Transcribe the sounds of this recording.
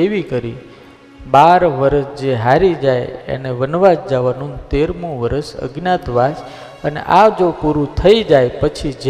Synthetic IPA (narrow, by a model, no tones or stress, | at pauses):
eʋikəɾi | baɾʋəɾəsd͡ʒeɦaɾid͡ʒajḛneʋənʋad͡ʒd͡ʒaʋanũnt̪eɾmũʋəɾəsə̰ɡnat̪ʋas | ənḛʔad͡ʒopuɾũt̪ʰəid͡ʒajpət͡ʃʰid͡ʒ